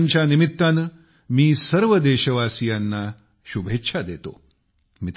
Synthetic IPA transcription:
ɲt͡ɕjanimit̪ːan | miːsəɾʋəd̪eːɕəʋaːsijanːa | ɕubʱetːɕʰad̪et̪o̰ | mit̪

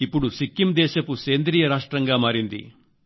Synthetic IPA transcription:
ipːuɽusikːimd̪ɛːʃɐkuseːnd̪ɾiːjɐɾaːʂʈɾɐŋɡaːmaːɾind̪ḭ

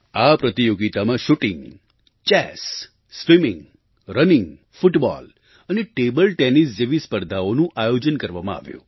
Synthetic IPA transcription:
apɾət̪ijoɡit̪amãʃuʈɪ̃ŋɡ | t͡ʃɛs | sʋimɪ̃ŋɡ | ɾənɪ̃ŋɡ | fʊʈbɔ̰l | əneʈebəlʈɛnis̬d͡ʒeʋispəɾd̪ʱaonũʔajod͡ʒənkəɾʋamãa̰ʋjṵ̃

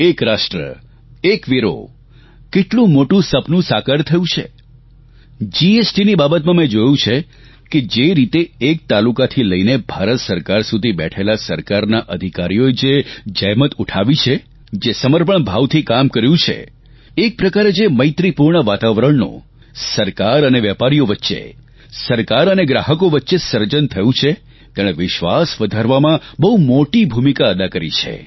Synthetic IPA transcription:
ekɾaʃʈɾə̰ | ekʋiɾo̰ | keʈlũmoʈũsəpnũsakəɾt̪ʰəjũt͡ʃʰḛ | d͡ʒiesʈinibabət̪mãmẽd͡ʒojũt͡ʃʰe | ked͡ʒeɾit̪eːk̚t̪alukat̪ʰiləinebʱaɾət̪səɾkaɾsud̪ʱibɛ̰ʈʰelasəɾkaɾnaʔəd̪ʱikaɾijoed͡ʒed͡ʒəjmət̪uʈʰaʋit͡ʃʰe | d͡ʒesəməɾpəɳbʱaʋt̪ʰikamkəɾjũt͡ʃʰḛ | ek̚pɾəkaɾed͡ʒeməɪt̪ɾipuɾɳəʋat̪aʋɾəɳno̰ | səɾkaɾəneʋjɛpaɾijoʋətːʃḛ | səɾkaɾəneɡɾaɦəkoʋətːʃesəɾd͡ʒənt̪ʰəjũt͡ʃʰe | t̪eɽ̃eʋɪʃʋasʋəd̪ʱaɾʋamãbəɦumoʈibʱumikaəd̪akəɾḭt͡ʃʰḛ

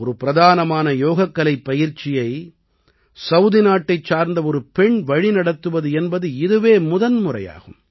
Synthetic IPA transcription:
ɔɾɯpɪɾɐðaːnɐmaːnɐjoːɣɐkːɐlɐɪpːɐjɪɾt͡ʃɪjɐɪ | sɐʊðɪnaːʈːɐɪt͡ʃːaːɾnd̪ɐɔɾɯpɛɳʋɐɻinɐɽɐt̪ːɯʋɐðɯɛnbɐðɯɪðɯʋeːmʊðɐnmʊrɐ̰ja̰ːɣɯ̰m

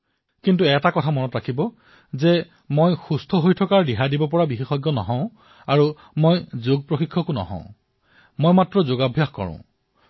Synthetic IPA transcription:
kintuɛtakɔtʰamɔnɔtɹakʰibɔ | zɛ | mojxustʰɔɦojtʰɔkaɹdiɦadibɔpɔɹabixixɔjɡːɔnɔ̰ɦɔ̃ʊ̃ | aɹu | mojzoɡ̚pɹoxikʰːɔkunɔ̰ɦɔ̰̃ʊ̃ | mojmatɹɔzoɡabʱjaxkɔ̰ɹɔ̰̃

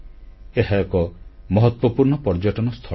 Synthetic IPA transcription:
eɦaekɔmɔɦɔt̪wɔpuɾɳɔpɔɾd͡ʒɔʈɔnɔst̪ʰɔ

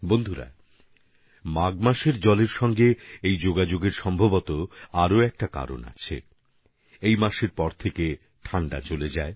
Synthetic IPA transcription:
bond̪ʱuɾa̰ | maɡmaʃeɾd͡ʑɔleɾʃɔŋɡeejd͡ʑoɡad͡ʑoɡeɾʃɔmbʱabot̪oaɾoɛk̚ʈaka̰ɾo̰na̰t͡ɕʰḛ | ejmaʃeɾpɔɾt̪ʰeke | ʈʰaɳɖa̰t͡ɕoled͡ʑae

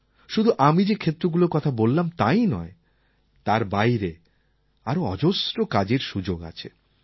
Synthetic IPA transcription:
ʃud̪ʱuʔamid͡ʑekʰet̪ːɾoɡuloɾkɔt̪ʰabolːamt̪ajnɔ̰e | t̪aɾbajɾe | aɾoɔ̰d͡ʑosɾokad͡ʑeɾʃud͡ʑoɡa̰t͡ɕʰe

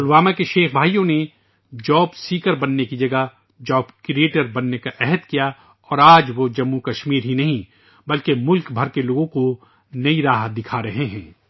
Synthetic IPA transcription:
ʊlʋaːmakeʃeːxbʱaːijõne | d͡ʒɔːbsiːkəɾbɐnːekid͡ʒɐɡa | d͡ʒɔːbkɾieːʈəɾbɐnːekaʔɛɦəd̪kija | ɔːɾaːd͡ʒʋod͡ʒɐmːukɐʃmiːɾɦinɐɦĩ | bɐlkemʊlkbʱɐɾkeloːɡõko | nɐiɾaːɦd̪ɪkʰaɾɐɦeɦɛ̃ː

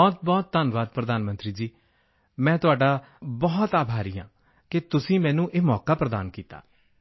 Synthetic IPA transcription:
ɔːt̪̚bɔːt̪̚t̪ənʋaːd̪̚pɾəd̪aːnmənt̪ɾiːd͡ʒiː | mɛ̃ːt̪ʊaːɖaː | bɔːt̪aːbʱaːɾiːjã̰ː | kɪt̪ʊsĩːmɛ̃ːnũːʔeːmɔːkaːpɾəd̪a̰ːnkiːt̪a̰ː

